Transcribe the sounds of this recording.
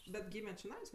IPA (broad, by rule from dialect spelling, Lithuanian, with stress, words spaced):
bʲɛt ˈɡʲiːmʲɛ t͡ʃʲɪˈnɐɪs